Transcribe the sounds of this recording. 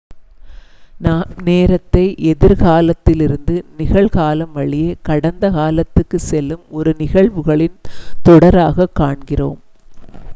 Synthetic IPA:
neːɾɐt̪ːɐɪʔɛðɪɾɣaːlɐt̪ːɪlɪɾɯnd̪ɯnɪɣɐɭɣaːlɐmʋɐɭɪjɐkɐɽɐnd̪ɐɣaːlɐt̪ːɯkːɯsɛlːɯmɔɾɯnɪɣɐɭʋɯɣɐɭɪnt̪ɔɽɐɾaːɣɐkːaːɳɡɪroːm

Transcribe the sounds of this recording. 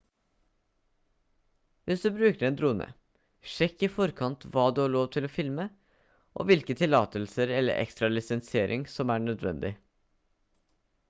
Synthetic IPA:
ʋɪsd̪ʉːbɾʉːkəɾɛːnd̪ɾuːnə̰ | ʂɛkːɪfɔɾkʰɑnt̪ʋɑːd̪ʉːhɑːɭoːʋt̪ʰɪloːfɪlmə | ʔo̰ːʋɪlkət̪ʰɪlɑ̰ːt̪əlsəɾɛlːə̰ɾʔɛ̰kst̪ɾɑlɪsɛnsɪeːɾʔɪŋsɔmæːɳœd̪ʋɛ̰nd̪ɪ

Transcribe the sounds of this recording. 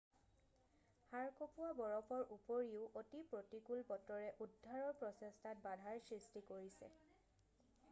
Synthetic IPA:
haɹkopuabɔɹɔpʰɔɹʔupoɹiʊʔotipɹotikulpɔtɔɹɛʔudʱːaɹɔɹpɹɔsɛstʰat̚badʱaɹsɹistikoɹisɛ̰

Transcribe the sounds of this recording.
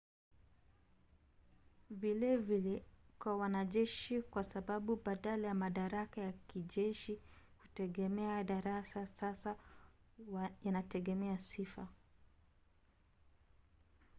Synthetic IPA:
vilɛvilɛkwawanaʄɛʃikwasaɓaɓuɓaɗalajamaɗaɾakajakiʄɛʃi | kutɛɡɛmɛaɗaɾasasasa | janatɛɡɛmɛasifa

